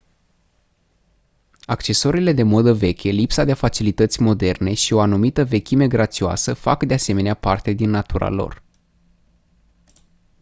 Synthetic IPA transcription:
akt͡ʃe̞so̞ɾile̞d̪e̞mo̞d̪əve̞kʲelipsad̪e̞fat͡ʃilit̪ət̪sʲmo̞d̪e̞rne̞ʃio̞anumit̪əve̞kʲime̞ɡɾat̪sioa̰səfa̰kd̪e̞ase̞me̞neapart̪e̞d̪inːat̪uɾa̰lo̞̰r

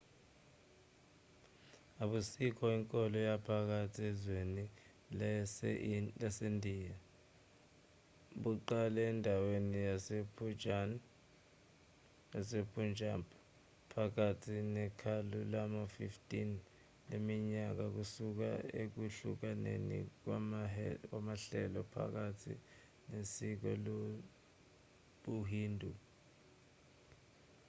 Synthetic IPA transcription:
aɓusik̬ʰʼɔiŋkʼɔlɔjapʰak̬atʰiɛzweni | lasendʱiːja | ɓuǃalɛːndʱawenijasep | asepʰʼund͡ʒʱampʰʼa | pʰak̬atʰinɛkʰalulamafiftʼin | lemiɲak̬ak̬usuk̬a̰ek̬uɬuk̬anḛnḭk̬wak̬wamaɬɛlɔpʰa̰k̬atʰḭ | nesik̬ɔ̰lo | ɓuɦiːndʱu

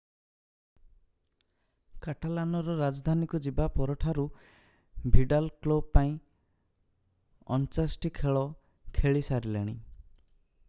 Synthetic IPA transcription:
kaʈalanɔɾɔɾad͡ʒɔd̪ʱanikud͡ʒibapɔɾɔʈʰaɾu | bʱiɖalklob̚paĩ | ɔ̰nt͡ʃasʈikʰeɭɔ | kʰeɭisaɾilḛɽ̃i

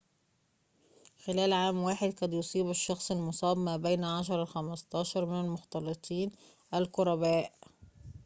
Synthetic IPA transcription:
xɪlæːlʕaːmwaːħɪd̪kɑd̪josˤiːbæʃːɑxsˤɪlmʊsˤɑːbmæːbejnʕaʃ̬ɑɾˤɑxæmɑst̪ˤɑːʃɑɾˤmɪnalmʊxt̪ɑlːɨt̪ˤiːn | ʔælkʊɾˤɑbæːʔ

